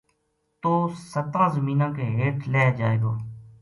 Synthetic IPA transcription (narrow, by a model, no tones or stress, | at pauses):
t̪oːsət̪ɾãːzəmiːnãːkeːɦeːʈʰlɛːd͡ʒaːḛːɡoː